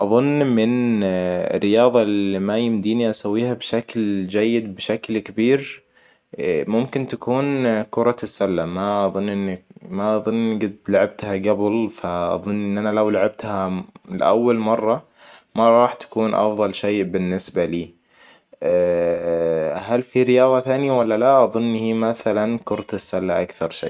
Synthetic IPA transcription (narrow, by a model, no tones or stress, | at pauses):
ʔɑðˤʊnːmɪn | ɪ̰rːɪjɑːðˤɑlimajɪmd̪iːniʔasawːiːhabʃakld͡ʒajːɪd̪bɪʃaklkabiːɾ | mʊmkɪnt̪akuːnkʊɾˤɑɪsːalːamaʔɑðˤʊnːʔɪnːamaʔɑðˤʊnːɡɪd̪laʕab̚t̪haɡablfaʔɑ̰ðˤʊnːʔɪnːʔanalawlaʕab̚t̪halɪʔa̰wːalmɑrˤːɑ | maɾˤɑːħt̪ḁkuːnʔɑ̰fðˤɑlʃeːbɪnːɪsbaliː | halfiɾɪjɑːðˤɑθaːnjawalːalaʔɑðˤʊnːhimaθalankʊɾˤɑt̪ɪsːalːaʔakθɑɾˤʃḛː